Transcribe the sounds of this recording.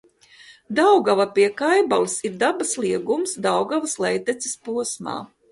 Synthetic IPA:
d̪awɡavapiɛkajbalˠɨsiɾd̪abasliɛɡumsd̪awɡavɐslˠɛjt̪ɛt̪si̥spuɔsma̰ː

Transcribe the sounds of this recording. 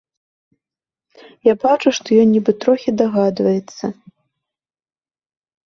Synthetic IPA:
jabat͡ʂuʂt̪ɔjɔnʲnʲːibɨt̪ɾɔxʲid̪aɣad̪vɐjɛt̪sːɐ

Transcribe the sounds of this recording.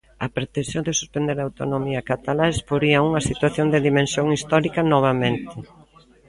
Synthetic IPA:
ɐpɾet̪ẽnsjod̪ɪsu̥spend̪eɾaːwt̪onomiɐkat̪alaspoɾiɐuŋɐsit̪waθjond̪ɪðimẽnsjoŋist̪ɔɾikɐnɔβ̞amẽnt̪ɪ

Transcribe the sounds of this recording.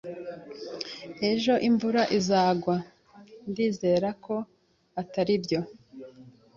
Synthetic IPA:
e̞ʒo̞ʔiɱvuɾaʔizaːɡwa | ndiːze̞ːɾakʰo̞ | ataɾibjo̞

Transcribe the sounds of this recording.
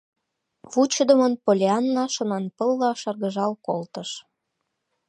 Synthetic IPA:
βut͡ɕəd̪ə̆mənpolʲeɑnːɑʃə̆nɑnpəlːɑʃɑrɣəʒɑlkolt̪əʃ

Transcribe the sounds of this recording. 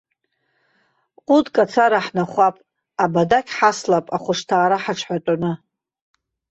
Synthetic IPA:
qʼʊdkʼat͡sʰaɾaħnaχʷapʼ | abadakʲʰʼħaslapʼaχʷʊʂtʰaːɾaħaʈ͡ʂʰħatʼanɨ

